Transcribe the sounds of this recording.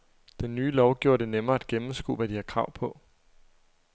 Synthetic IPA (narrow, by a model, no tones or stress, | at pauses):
d̥enːyːlɒʊɡ̥ioɐd̥e̝nemɐːæd̥̚ɡ̥emm̩sɡ̥o̰ːʋæd̥ihɑ̈kʰʁɑ̈ʊ̰pʰɒ̽